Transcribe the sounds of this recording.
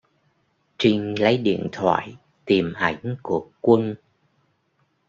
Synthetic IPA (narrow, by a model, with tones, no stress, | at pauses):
t͡ɕi˧ŋ̟lə˨˦jɗḭ˧˨ənt̪ʰwa̰ː˧˨j | t̪i˨˩mʔa˧˩jŋ̟ku˧˩əkwə˧n